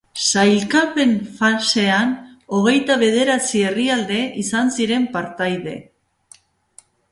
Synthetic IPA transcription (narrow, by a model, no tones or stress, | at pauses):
sajlkape̞nfase̞ano̞ɣ̞e̞jt̪aβ̞e̞ð̞e̞ɾat͡sie̞riald̪e̞ʔisansiɾe̞mpaɾt̪ajðe̞̰